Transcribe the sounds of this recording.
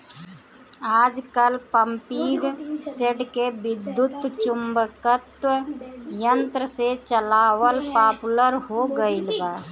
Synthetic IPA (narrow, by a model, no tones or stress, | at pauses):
aːd͡ʒkəlpəmpiɡseʈkebɪd̪ːut̪t͡ʃumbkət̪wəjənt̪ɾəset͡ʃəlaːwəlpaːpuləɾɦoɡəɪlba